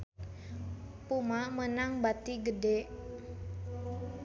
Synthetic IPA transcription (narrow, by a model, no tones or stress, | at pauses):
pumamənaŋbat̪iɡədeʔ